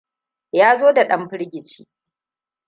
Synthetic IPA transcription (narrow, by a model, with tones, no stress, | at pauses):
jaː˦zoː˦da˨ɗɐ˦mɸɪ˦ɽɡʲɪ˨t͡ʃḭː˦